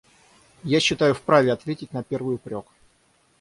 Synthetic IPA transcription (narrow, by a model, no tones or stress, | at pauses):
jaɕːɪt̪ajʊfpɾavʲɪɐt̪vʲetʲɪtʲnɐpʲe̞rvɨjʊpɾʲo̞k